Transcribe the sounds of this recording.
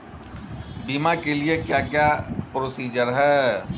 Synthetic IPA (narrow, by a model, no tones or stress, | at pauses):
biːmakeliekjaːkjaːpɾoːsiːd͡ʒəɾɦɛː